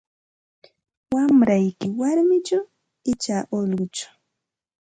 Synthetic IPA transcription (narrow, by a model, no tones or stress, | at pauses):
wamɾajkɪwaɾmɪt͡ʃaw | ɪt͡ʃaːʔolɢʊt͡ʃḁ